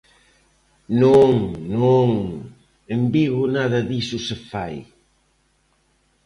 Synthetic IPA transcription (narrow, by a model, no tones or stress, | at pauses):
noŋnõŋ | embiɣʊnaðɐðisʊsɪfaj